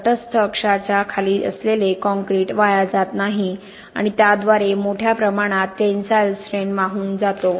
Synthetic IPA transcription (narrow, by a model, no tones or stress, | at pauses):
ʈəst̪ʰəːkʂat͡ɕjakʰaliːʔə̰slelekɔ̃ŋkɾiːʈʋajad͡zat̪naɦi | a̰ɽ̃it̪jad̪ʋaɾemoʈʰjapɾəmaɽ̃at̪ːensajlsɾenmaɦuːnd͡zat̪o